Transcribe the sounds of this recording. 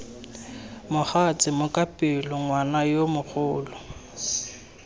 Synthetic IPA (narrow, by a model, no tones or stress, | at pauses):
mʊχat͡sʼɪmʊkʼapʼɪlʊŋwanajomʊk͡xʰʊːlʊ